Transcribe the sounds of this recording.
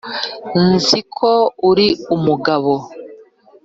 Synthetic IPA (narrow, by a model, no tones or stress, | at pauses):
nzikʰouɾiumuɡaβo